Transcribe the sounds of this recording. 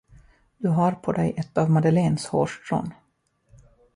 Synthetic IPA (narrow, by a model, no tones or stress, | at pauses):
d̪̥ɵɦaɾpʰɔd̪ɛjʔɛt̪ːavmad̪əleːnshoːʂʈɾo̰ːn